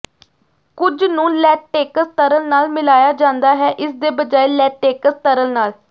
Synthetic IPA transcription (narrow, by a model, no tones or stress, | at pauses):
kʊd͡ʒnũːlɛːʈʈeːkəst̪əɾəlnaːlmɪlaːjaːd͡ʒãːnd̪aːɦɛːʔɪsd̪eːbəd͡ʒaːeːlɛːʈːeːkəst̪əɾəlnaːl